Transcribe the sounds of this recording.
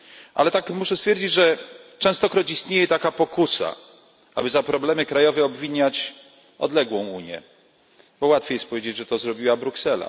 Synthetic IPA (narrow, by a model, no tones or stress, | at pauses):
ʔa̰lɛt̪akmuʂɛst̪fʲjeɛɾd͡ʑid͡ʑʐɛt͡ʂɛ̃w̃st̪ɔkɾɔt͡ɕist̪ɲejɛt̪akapɔkusa̰ | ʔabɘzapɾɔblɛmɘkɾajɔvɛɔbvʲiɲat͡ɕ | ɔ̰d̪lɛɡwɔ̃w̃uɲjɛ̰ | bɔwat̪fʲjejɛst̪̚pɔvʲjed͡ʑed͡ʑʐɛt̪ɔzɾɔbʲiwabɾuksɛla̰